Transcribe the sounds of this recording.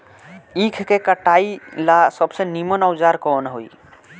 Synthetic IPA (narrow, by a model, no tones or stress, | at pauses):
ĩkʰkekəʈailasəbsenimənaʊd͡ʒaɾkɔːnɦoi